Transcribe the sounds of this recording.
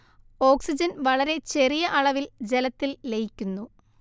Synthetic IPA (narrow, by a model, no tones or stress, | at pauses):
o̞ːksid͡ʑɐnʋɐɭɐɾe̞t͡ɕe̞rijɐʔɐɭɐʋild͡ʑelɐt̪ːilːejikʲːunːu